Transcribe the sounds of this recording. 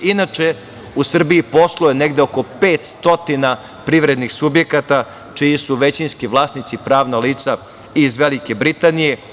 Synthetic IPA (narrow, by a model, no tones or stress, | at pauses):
inat͡ʂe | usr̩biipo̞slˠojeneɡd̪eoko̞peːt̪st̪o̞t̪ina | pɾiʋɾed̪nixsubje̞kat̪a | t͡ʃijisuʋet͡ɕinskiʋlˠaːsnit̪sipɾaːʋnaliːt̪sa | izʋelike̞bɾit̪anije̞